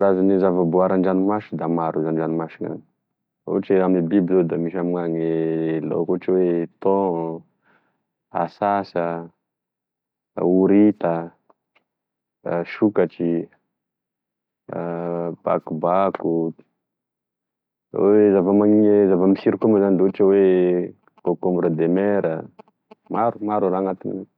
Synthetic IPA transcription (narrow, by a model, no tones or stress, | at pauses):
ɾazanizavabuaɾaɳɖ͡ʐanimaʃud̪amaɾuzanid͡ʒanimaʃina̰ni̥ | ṵaʈ͡ʂeaminibibizod̪amiʃamiŋaŋelo̰kuʈ͡ʂiwet̪ɔ̃ | a̰sasə | uɾit̪a | ʃukaʈ͡ʂi | b̥a̰kubaku | wewezavamaŋiezavəmisiɾikomazanid̪eɦuʈ͡ʂawe | kokomuɾad̪emeɾə | maɾumaɾuɾaŋat̪ina